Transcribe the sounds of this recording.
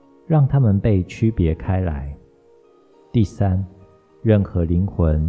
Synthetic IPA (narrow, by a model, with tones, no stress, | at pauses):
ɻɑ˥˨ŋt̪ʰa˦mə˨npe˥˩ɪt͡ɕʰy˦pjɛ˨˦kʰa˥˦ɪla̰˨˦ɪ | t̪i˥˩sa˦n | ɻə˥˨˩nxɤ˨˦li˧˦ŋxwə˨˦n